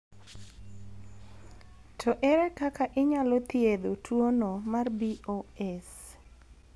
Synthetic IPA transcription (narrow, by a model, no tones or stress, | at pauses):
tʰɔʔɛɾɛkakaʔɪɲalot̪jed̪otʰwonomarbioɛs